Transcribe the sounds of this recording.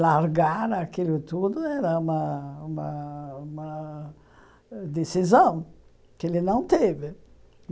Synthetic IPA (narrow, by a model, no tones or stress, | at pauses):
laɾɡaɾakilʊt̪ud̪ʊɛɾɐũmɐumɐumɐ | d̪esizõw̃ | kelɪnɐ̃w̃t̪evɪ